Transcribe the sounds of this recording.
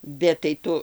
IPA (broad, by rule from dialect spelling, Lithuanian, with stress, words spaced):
bʲɛt tɐɪ ˈtʊ